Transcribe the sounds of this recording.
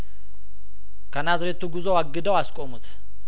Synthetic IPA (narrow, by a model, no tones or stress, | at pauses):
kʰənazɾet̪uɡɨzoaɡːɨd̪əwaskʼomut̪